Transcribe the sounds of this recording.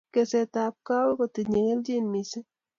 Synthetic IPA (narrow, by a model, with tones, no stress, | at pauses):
ke˨se˨ta˨p̚ka˦wkɔ˨ti˨ɲe˨ŋe˦ld͡ʒi˦nmi˨se˦